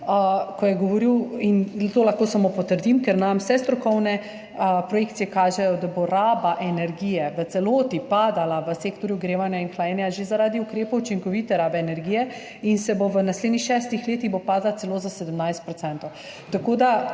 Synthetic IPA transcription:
əkɔjɛɡɔʋɔɾiwint̪olaxkoːsamopɔt̪əɾd̪imkɛɾnamsɛst̪ɾɔkɔwnɛ | əpɾɔjekt̪sijɛkaːʒɛjɔd̪aboɾaːbaʔɛnɛɾɡiːjɛʋət̪sɛloːt̪ipad̪alaʋəseːkt̪ɔɾjuɡɾeːʋanjainxlajɛːnjaʒezaɾaːd̪iukɾeːpɐut͡ʃiŋkɔʋit̪ɛɾaːbɛːnɛɾɡiːjɛ | insɛboʋənasleːd̪nixʃɛst̪ixleːt̪iɣbopaːd̪lat̪ɛloːzasɛd̪əmnajst̪̚pɾɔt̪sɛnt̪ɔw | t̪akoːd̪a

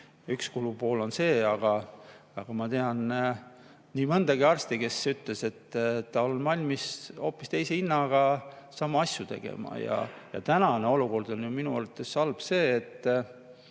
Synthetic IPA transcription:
ykskulupo̞ːlo̞nse̞ːɑɡ̥ɑɑɡ̥ɑmɑt̪e̞ɑn | niːmɤnd̪̥ɑɡiɑrst̪ikesyt̪ːle̞se̞t̪ːt̪ːɑonvɑlʲmiso̞ːpːˑist̪e̞jseinːɑɡ̥ɑsɑːmɑɑsjut̪e̞̰ɡ̥ḛmɑ̰jɑ̰jɑ̰t̪ænɑneo̞luko̞rd̪̥o̞njuminuɑɾt̪ːˑe̞sːɑlb̥se̞ːt̪ːˑ

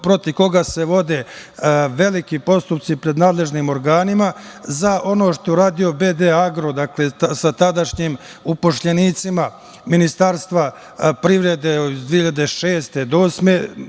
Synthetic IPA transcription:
pɾo̞t̪iʋko̞ɡaseʋo̞d̪e̞ | ʋe̞likipo̞st̪upt̪sipɾe̞d̪naːd̪lˠe̞ʒnimo̞ɾɡaːnimazaʔo̞noʃt̪oeuɾaːd̪io̞bed̪eaɡɾo̞d̪akle̞sat̪ad̪aʃɲiːm | upoʃʎeniːt̪sima | minist̪aɾst̪ʋa | pɾiʋɾe̞d̪ezd̪ʋiːhiʎad̪eʃeːst̪e̞d̪oːsme

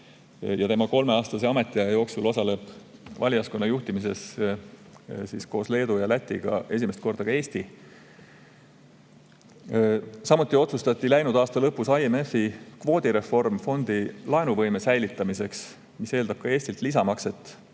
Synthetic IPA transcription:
jɑt̪emɑko̞lme̞ɑːst̪ɑseɑmet̪ːˑiɑɑjo̞ːksulo̞sɑle̞b̥vɑlʲijɑsko̞nːɑjuht̪imis̬e̞s | siːsko̞ːsle̞ːd̪ujɑlæt̪ʲːˑiɡ̥ɑ̰e̞s̬ʲime̞st̪̚ko̞rd̪̥ɑkɑe̞ːst̪i | sɑmut̪ːˑio̞t̪sust̪ɑt̪ːˑilæjnud̪̥ɑːst̪ɑlɤpːusɑieme̞fːikvo̞ːd̪̥iɾe̞fo̞rmfo̞nd̪̥ilɑenuvɤjme̞sæjlit̪ːˑɑmise̞ks | mise̞ːld̪̥ɑb̥̚kɑe̞ːsʲt̪ilt̪lisɑmɑkse̞t̪ːˑ

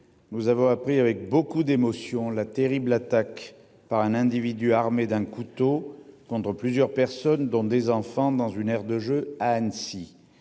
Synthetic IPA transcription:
nuzavɔ̃apχiavɛk̚bokud̪emɔsjɔ̃lat̪eʁiblat̪ak | paʁɛ̃nɛ̃d̪ivid̪yaʁmed̪ɛ̃kut̪okɔ̃t̪χəplyzjœʁpɛʁsɔnd̪ɔ̃d̪ezɑ̃fɑ̃d̪ɑ̃zynɛʁd̪əʒøaɛnsi

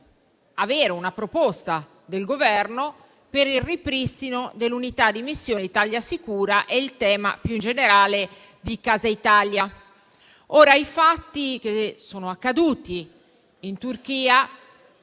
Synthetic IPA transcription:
aveːɾeunapɾopost̪a | d̪elɡovɛrno | peɾilripɾist̪inod̪elːunit̪ad̪ːimisːjoːnit̪aljasikuːɾaʔɛilt̪ɛːma̰pjuind͡ʒeneɾaːle | d̪ikaːzait̪alja | oːɾaifat̪ːik̟esoːnoakːad̪uːt̪iː | nt̪urk̟iːa

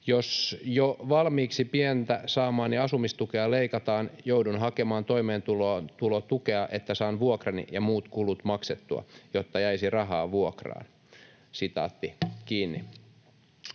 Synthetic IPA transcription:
josjoʋɑlmiːksipient̪æsɑːmɑːnniɑsumist̪ukeɑleikɑt̪ɑːnjoudunɦɑkemɑːnt̪oimeːnt̪ulot̪ulot̪ukeɑʔet̪ːæsɑːnʋuokrɑnḭjɑmuːt̪kulut̪mɑkset̪ːuɑ̰jot̪ːɑjæisirɑɦɑːʋuokrɑ̰ːn | sit̪ɑ̰ːt̪ːikiːnːḭ

